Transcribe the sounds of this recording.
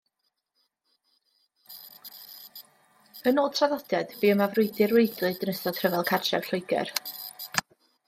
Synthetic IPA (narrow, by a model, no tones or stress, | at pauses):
ənoːd̚tʰraðɔd̥ɛd̥b̥iːəmavrʊɨdɨrwejdlɨdnəsɔd̥ʰrəvɛlˠkʰar̥t͡ʃɛ̰v̥ɬʊɨɡɛ̰r